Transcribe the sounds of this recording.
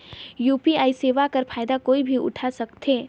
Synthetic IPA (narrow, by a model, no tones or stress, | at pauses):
juːpiaːiseːʋakɐɾfʰaːjd̪akoːibʱiʊ̰ʈʰasɐkt̪ɦeː